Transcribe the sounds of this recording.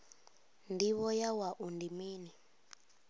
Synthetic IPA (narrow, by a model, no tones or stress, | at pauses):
ndiβɔjawaʔundimiːni